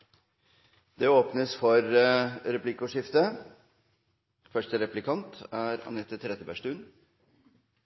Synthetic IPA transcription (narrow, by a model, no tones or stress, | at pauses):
d̪ɛoːpnəsfɔɾɾɛplɪkʊʂɪft̪ə | fœʂʈəɾɛplɪkʰɑnt̪æɾɑ̰nɛt̪ːət̪ʰɾɛt̪əbæʂʈʉːn